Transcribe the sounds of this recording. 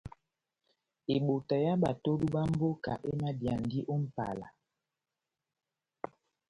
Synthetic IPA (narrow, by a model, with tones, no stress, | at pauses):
e˨ɓo˨ta˨ja˦ɓa˨to˦du˦ɓa˦m̩˦bo˦ka̰˨ʔe˦ma˦dja˨n˨di˦ʔo˦m̩˦pa̰˨la̰˨